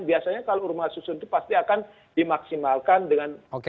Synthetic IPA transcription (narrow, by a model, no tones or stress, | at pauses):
biasaɲakaloɾumasusʊnt̪upast̪iakan | dimaksimalkandəŋanok